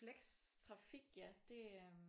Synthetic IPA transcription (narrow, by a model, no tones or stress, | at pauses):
leɡ̥st͡sʰʁɑ̈fiɡ̥jæd̥e̝